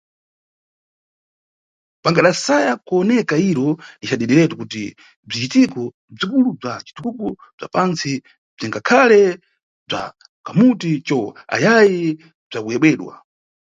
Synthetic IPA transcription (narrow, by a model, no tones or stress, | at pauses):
paŋɡaɗasajakuɔnɛkaiɾɔnit͡ʃaɗɛɗɛɾɛtukuti | b͡ʐit͡ʃitikɔ | b͡ʐikulub͡ʐat͡ʃi̥tʰuɡɔ | b͡ʐa̰pant͡si | b͡ʐiŋɡakʰalɛ | b͡ʐa̰ | kamutit͡ʃɔa̰jajɛ | b͡ʐakujɛɓwɛɗwa̰